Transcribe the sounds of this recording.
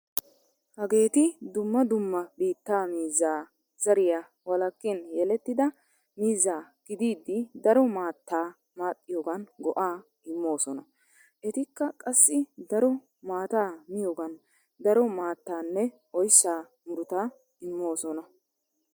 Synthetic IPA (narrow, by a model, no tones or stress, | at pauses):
hɐɡe̞ːt̪ɪd̪ʊmːɐd̪ʊmːɐbiːt̪ːaːmiːzːaː | z̥ɐɾɪja | wɐlɐkːɪnjɛlɛt̪ːɪd̪ɐ | miːzːaːɡ̥ɪd̪iːd̪ːɪd̪ɐɾɔmaːt̪ːaː | maːt̪ʼːɪjoːɡɐnɡɔʔaː | ɪmːo̞ːsɔnɐ | ʔɛt̪ɪkːɐkʼɐsːɪd̪ɐɾɔ | maːt̪aːmɪjoːɡɐn | d̪ɐɾɔmaːt̪ːaːnːɛ | ɔjsːaː | mʊɾʊt̪aː | ɪmːo̞ːsɔnɐ